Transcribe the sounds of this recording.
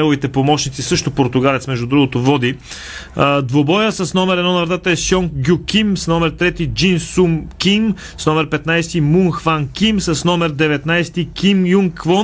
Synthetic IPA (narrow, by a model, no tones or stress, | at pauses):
ɛlˠʊvit̪ɛpomɔʃnit̪sisɤʃt̪opoɾt̪ʊɡalɛt̪smɛʒd̪ʊd̪ɾuɡot̪ovɔd̪i | əd̪vobɔjəsɐsnɔmɛɾɛd̪ɔnɐvɾt̪at̪əɛsjɔŋɡʲukimsnɔmɛɾt̪ɾɛt̪id͡ʒinsumkim | snɔmɛɾpɛt̪najst̪imuŋxvankimsɐsnɔmɛɾd̪ɛvɛt̪najst̪ikimjuŋkvɔ